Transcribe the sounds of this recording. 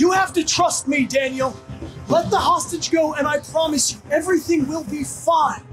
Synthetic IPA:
jɨhæftɨtʰɹ̥ʌst̚midæ̃njl̩ˠlɛt̪̚ðəhɑstɨd͡ʒɡoʊɨ̃naɪpʰɹ̥ɑmɨsjɨɛvɹiθɪ̃ŋwɪlˠbifãɪ̃n

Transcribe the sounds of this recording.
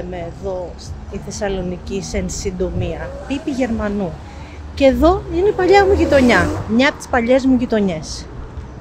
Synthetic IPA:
meːðo̞ | iθe̞sɐlo̞nicisensind̪omiɐpipiʝe̞ɾmɐnu | ceeðo̞ineipɐʎɐmuʝit̪o̞ɲɐmɲɐpot̪i̥spɐʎe̞zmuʝit̪o̞ɲe̞s

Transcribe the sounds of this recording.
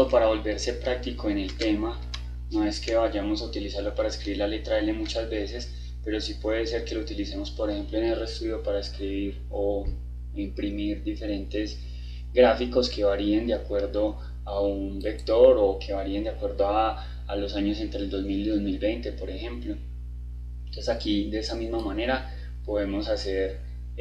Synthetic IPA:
opaɾaβo̞lbe̞ɾse̞pɾak̚t̪iko̞e̞ne̞lt̪e̞ma | no̞e̞ske̞βaʝamosaut̪ilisaɾlo̞paɾaeskɾiβiɾlale̞t̪ɾaelemut͡ʃazbe̞se̞s | pe̞ɾo̞sipwe̞ðese̞ɾke̞lo̞ut̪ilise̞mo̞spo̞ɾexe̞mploene̞lrest̪uðjo̞paɾaeskɾiβiɾ | o | impɾimiɾd̪ife̞ɾe̞nt̪e̞s | ɡɾafiko̞ske̞βaɾiend̪eakwe̞ɾd̪o̞ | aunbe̞kt̪o̞ɾokʰe̞βaɾiend̪jakwe̞ɾd̪oaː | lo̞saɲo̞se̞nt̪ɾeld̪o̞zmiliðozmilbe̞jnt̪e̞po̞ɾe̞xe̞mplo̞ | t̪wesakid̪e̞esamizmamane̞ɾa | po̞ðe̞mo̞sase̞ɾ

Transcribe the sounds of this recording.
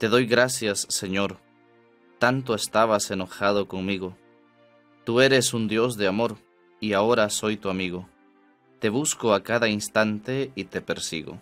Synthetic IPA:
t̪e̞ðo̞jɣɾasjasːe̞ɲo̞ɾ | t̪ant̪̬oest̪aβ̞ase̞no̞xað̞oko̞ŋmiɣo | t̪ue̞ɾe̞sund̪jo̞zðeamo̞ɾ | iao̞ɾaso̞jt̪uamiɣo | t̪e̞β̞uskoakaðainst̪ant̪e̞it̪e̞peɾsḭɣo̰

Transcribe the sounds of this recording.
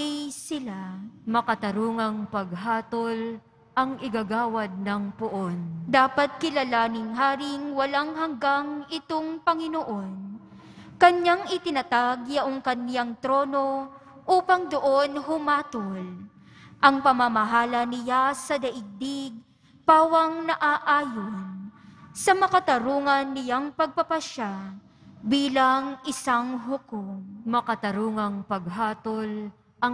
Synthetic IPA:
jsɪlamɐkɐt̪ɐɾuːŋɐŋpɐɡ̚ɦaːt̪ol | ʔɐŋʔɪɡaɡaːwɐd̪̚nɐŋpʊʔond̪aːpɐt̪̚kɪlalaːnɪŋɦaːɾɪŋwɐlaŋɦɐŋɡaŋɪt̪oŋpɐŋɪnoʔo̞n | kɐnjaŋɪt̪ɪnɐt̪aɡjɐʔoŋkɐnjaŋt̪ɾo̞ːno̞ʔuːpɐŋd̪oʔonɦʊmaːt̪ol | ʔɐŋpɐmamɐɦaːlɐnɪjasɐd̪ɐʔɪɡ̚d̪iɡ̚ | paːwɐŋnɐʔaʔaːjonsɐmɐkɐt̪ɐɾuːŋɐnːɪjaŋpɐɡ̚pɐpɐʃa | biːlɐŋʔɪsaŋɦʊkoŋmɐkɐt̪ɐɾuːŋɐŋpɐɡ̚ɦaːt̪ol | ʔɐŋ

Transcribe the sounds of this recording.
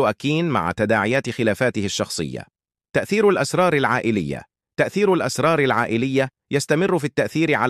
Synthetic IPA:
ʊʔakːiːnma̰ʕa̰t̪ad̪aːʕɪjaːt̪ɪxɪlaːfaːt̪ɪhɪʃːɑxsˤɨ̰jːa̰ | t̪aʔθiːɾalʔasɾˤɑːɾˤalʕaːʔɪlɪjːa̰ | t̪aʔθiːɾalʔasɾˤɑːɾˤalʕaːʔɪlɪjːa | jast̪amɪrːʊfiːt̪ːaʔθiːɾɪʕa

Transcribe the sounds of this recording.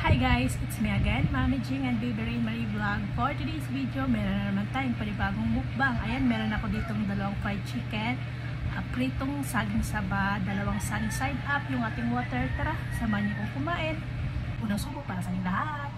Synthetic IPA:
hajɡajsɪt̪smiɐɡɛnmamɪd͡ʒɪŋɐnd̪̚bibɛɾiŋmɐɾiblaɡfoɹt̪ɪd̪ijsvid̪jomɛɾonnɐmant̪aːjʊŋpɐlɪbaːɡoŋmʊk̚baŋʔɐ̰janmɛːɾonɐko̞d̪iːt̪oŋd̪ɐlɐwaŋfɾajt͡ʃikɛn | ʔɐpɾit̪oŋsaːɡɪŋsɐbad̪ɐlɐwaŋsanɪsajd̪ʔapjʊŋʔaːt̪ɪŋwoːt̪ɛɹt̪ɐɾa | sɐmaɲokoŋkʊmaːʔɪn | ʔuːnɐŋsuːbʊʔ̚paːɾɐsaːnɪŋlɐha | t̪̚

